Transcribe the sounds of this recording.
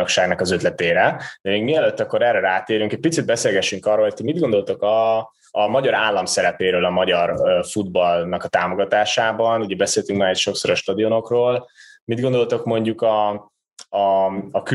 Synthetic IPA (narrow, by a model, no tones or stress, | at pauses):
okʃaːɡnɒkɒzøt̪lɛt̪eːɾɛd̪ɛmeːɡmiɛløt̪ːɒkːo̞ɾɛrɛɾaːt̪eːɾyŋkɛc̚pit̪sid̪̚bɛseːlɡɛʃːyŋkɒrolotʰomid̪ɡo̞nd̪o̞lt̪okɒː | mɒɟɒɾaːlːɒmsɛɾɛpeːɾøːlɒmɒɟɒrfud̪̚bɒlnɒkɒt̪aːmo̞ɡɒt̪aːʃaːbɒnuɟɛbɛseːlt̪yŋkmaːɛcʃo̞ksoɾɒʃt̪ɒd̪iono̞kroːlmid̪ɡo̞nd̪o̞lt̪okmo̞ɲɟukɒ | k